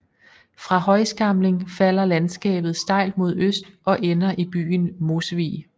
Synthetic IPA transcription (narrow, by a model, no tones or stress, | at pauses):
fʁɑ̈hɒ̽ɪsɡ̥ɑ̈mle̝ŋfæl̰ɐlænsɡ̥ɛ̰ːb̥ð̞̩ˠsd̥ɑ̈ɪ̰ld̥̚mo̝ð̞̰ˠøsd̥ʔɒ̽ʔenɐʔib̥y̰ːnmo̝sʋḭː